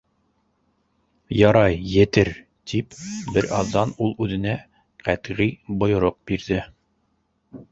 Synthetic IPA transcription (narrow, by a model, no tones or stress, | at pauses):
jɑɾɑjːɘ̆t̪ɘɾ | t̪ipbɘɾɑðːɑnulˠʉðɘ̆næ | qæt̪ʁibŏjŏɾoq̚biɾðɘ